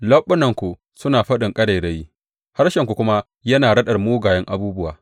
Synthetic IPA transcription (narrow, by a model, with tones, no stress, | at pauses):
lɐ˦ɓːʊ˦nɐ˨ŋkʷu˨ | sʊ˦naː˨ɸɐ˦ɗɪ˨ŋkʼɐ˦ɽɐ˨jɽe˦ji˦ | ha˦rʃɐ˨ŋkʷu˨kʷʊ˦ma˦ | jɐ˦naː˨ɽɐ˦ɗɐ˨rmoː˦ɡaː˨jɛ˦ŋʔa˨buː˦bʊ˦waː˨